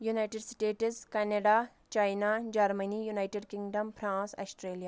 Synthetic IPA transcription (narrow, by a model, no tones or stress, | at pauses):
junajʈeɖsʈeːʈskɐnɐɖaː | t͡ʃajnad͡ʒɐɾmɐnijunaːjʈeɖkiŋɡɖɐmpʰɾãːsa̰sʈɾeːlijaː